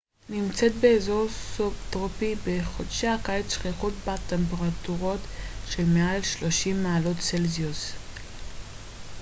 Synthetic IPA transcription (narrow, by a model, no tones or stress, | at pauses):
nimt͡set̪̚beːzoʁsopt̪ʁopibeχo̞dʃeakaet͡sʃχiχut̚bat̪ːempeʁatuʁotʃelmealʃlo̞ʃimːaalo̞tt͡selzius